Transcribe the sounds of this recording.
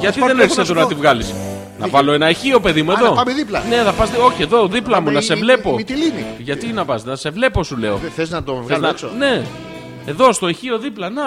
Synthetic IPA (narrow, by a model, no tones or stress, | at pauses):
ʝɐt̪iðeneɾçset̪oɾɐɐt̪ivɣɐlis | nɐ̰vɐlo̞enɐeçio̞pe̞ðimue̞ðo̞pɐmeðiplɐne̞θɐpɐzo̞çie̞ðo̞ðiplɐmunɐse̞vle̞po̞t̪iliniʝɐt̪inɐpɐsnɐse̞vle̞po̞sule̞o̞̰θeznɐt̪ovɣθeznɐne̞ | eðo̞st̪o̞eçioðiplɐna